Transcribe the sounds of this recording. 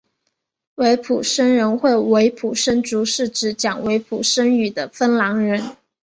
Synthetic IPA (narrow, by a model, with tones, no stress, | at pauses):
we˧˥ɪpʰu˨˩ʂə˥nɻə˧˥nxwe˥˩ɪwe˧˥ɪpʰu˨˩ʂə˥nʈ͡ʂu˧˥ʂɻ̩˥˩ʈ͡ʂɻ̩˧˥t͡ɕjɑ˨˩ŋwe˧˥ɪpʰu˨˩ʂə˥ŋy˨˩d̪ə˦fə˥nlɑ˧˥ŋɻə˧˥n